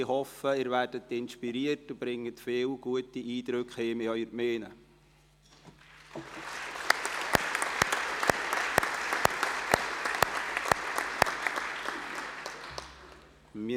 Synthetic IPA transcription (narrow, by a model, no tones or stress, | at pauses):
ɪhɔfəɪːɾvæːɾdətɪnʃpiɾiːətub̥ɾɪŋːətfeːlɡ̥uətiʔiːd̪ɾøkχheːmɪœʏəɾmeːnə | mi